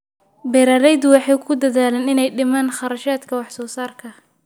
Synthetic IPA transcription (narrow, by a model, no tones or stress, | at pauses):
bɛɾaːɾɛjd̪ʊwɑħɑjkʰʊd̪ɐðaːlɛnɪnɛjɖɪmaːnχɑɾɐʃaːd̪kʰɐwɑħsɔːsaːrkʰɐ